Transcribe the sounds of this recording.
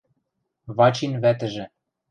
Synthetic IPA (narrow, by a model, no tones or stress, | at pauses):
βɑt͡ɕinβæt̪ɘ̆ʒĕ